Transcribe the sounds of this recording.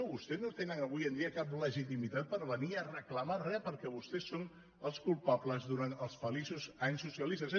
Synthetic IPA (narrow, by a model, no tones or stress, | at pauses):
βust̪ɛznot̪enənəβujənd̪iəkapləʒit̪̬imit̪at̪̚pəɾβəniərəkləmarɛpəɾkɛβust̪ɛsːon | əlˠskulˠpapləzðuɾant̪əlˠsfəlisuzaɲsːusiəlist̪əz